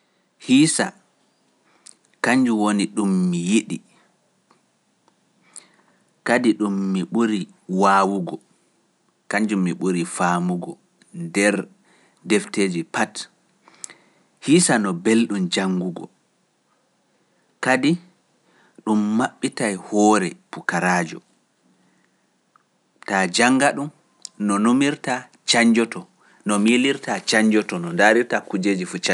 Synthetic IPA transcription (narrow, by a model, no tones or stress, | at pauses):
hiːsa̰ | kaɲd͡ʒuwoniɗumːijiɗi | kadiɗumːiɓuɾi | waːwuɡɔ | kaɲd͡ʒumːiɓuɾifamuɡɔ | ndɛɾ | dɛfteːd͡ʒipat | hisanɔbelɗumd͡ʒaŋɡuɡɔ̰ | kadi | ɗumːaɓːitajhɔːɾɛpukaɾaːd͡ʒɔ | tad͡ʒaŋɡaɗum | nɔnomiɾta | t͡ʃaɲd͡ʒɔtɔ | nɔmiliɾtat͡ʃaɲd͡ʒɔtɔnɔndaɾiɾtakud͡ʒeːd͡ʒifut͡ʃa